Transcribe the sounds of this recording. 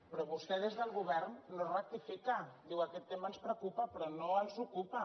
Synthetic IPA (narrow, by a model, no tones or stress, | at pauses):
pɾɔβust̪ɛðezðəlˠɣuβɛrnːorək̚t̪ifikad̪iwakɛt̪ːemənspɾəkupapɾɔnoənzukupa